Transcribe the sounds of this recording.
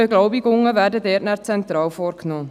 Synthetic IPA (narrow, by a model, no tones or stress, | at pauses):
əɡlɔʊbɪɡʊŋəvæːɾdədɛːtnæʁt͡sɛnt̪ɾɑːlfɔːɾknɔː